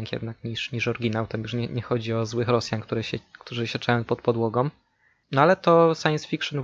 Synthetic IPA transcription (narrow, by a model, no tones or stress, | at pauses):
ŋkʲjɛ̰d̪nakɲiʂɲiʂɔɾɡʲinawt̪amjuʂɲɛɲɛxɔd͡ʑiɔzwɘxɾɔsʲjaŋkt̪uɾɛɕɛkt̪uʐɨɕɛt͡ʂajɔ̃w̃pɔt̪̚pɔd̪wɔɡɔm | nɔalɛt̪ɔsajɛnsfʲikʂɨn